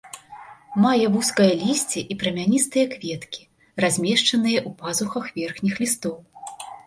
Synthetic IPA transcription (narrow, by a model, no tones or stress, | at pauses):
majɛvuskɐjɐlʲisʲt͡sʲiʔipɾɐmʲanʲist̪ɨjɐkvʲɛt̪kʲi̥ | razʲmʲɛʂt͡ʂɐnɨjɐʔupazuxɐxvʲɛrxnʲixlʲist̪ɔw